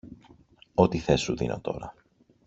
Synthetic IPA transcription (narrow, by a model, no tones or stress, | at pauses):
o̞t̪iθe̞sːuðḭnʔo̞t̪o̞̰ɾɐ